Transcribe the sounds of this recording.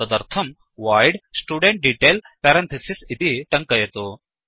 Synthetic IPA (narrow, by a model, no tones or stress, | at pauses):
ɐd̪ɐɾt̪ʰɐm | ʋaːjɖsʈuːɖeɳʈ̚ɖiʈeːl | pɛɾɐ̃nt̪ʰɐsisit̪iʈɐŋkɐjet̪o